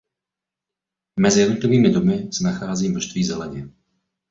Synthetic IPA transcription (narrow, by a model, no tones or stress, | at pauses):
mɛzɪjɛdnot̪lɪviːmɪdomɪsɛnaxaːziːmnoʃt̪viːzɛlɛɲɪɛ